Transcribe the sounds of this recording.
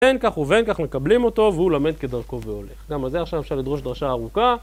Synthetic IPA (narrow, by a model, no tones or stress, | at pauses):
enkaχuve̞nkaχme̞kablimo̞t̪o̞veulamed̪̚ke̞d̪aʁko̞veo̞le̞χɡamalzeaχʃavefʃaʁlid̪ʁo̞ʃd̪ʁaʃaːʁuka